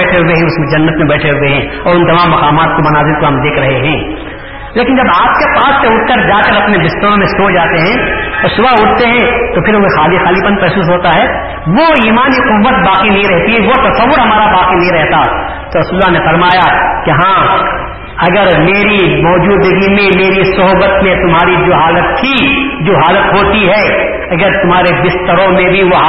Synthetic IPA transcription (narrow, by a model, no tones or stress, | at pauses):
ɛːʈʰeɦʊeɦɛ̃ʊsmẽd͡ʒɐnːət̪mẽbɛːʈʰeɦʊeɦɛ̃ɔːɾʊ̃nt̪ɐmãːmːɐqaːmaːt̪̚komɐnaːzɪɾt̪oɦɐmd̪eːkʰɾɐɦeɦɛ̃ː | leːkɪnd͡ʒɐbaːp̚kepaːsːeʊʈ̚k̪əɾd͡ʒaːkɐɾɐpnebɪst̪əɾõmẽsoːd͡ʒaːt̪eɦɛ̃ːɔːɾsʊbaʊʈt̪eɦɛ̃t̪opʰɪɾoexaːlixaːlipɐ̃npɛːsuːsɦoːt̪aɦɛː | ʋoiːmaːniqʊʋːət̪baːqinɐɦĩɾɛɦt̪iɦɛʋot̪ɐsɐʋːʊɾɦɐmaːɾabaːqinɐɦĩɾɛɦt̪aɛ | t̪oɾɐsuːlːanefɐɾmaːjakiɦãː | ɐɡəɾmeːɾimɔːd͡ʒuːd̪əɡimẽmeːɾisɐɦbət̪mẽt̪ʊmɦaːɾid͡ʒoːɦaːlət̪ːʰid͡ʒoːɦaːlət̪ɦoːt̪iɦɛ | ɐɡəɾt̪ʊmɦaːɾebɪst̪əɾõmẽbʱiʋo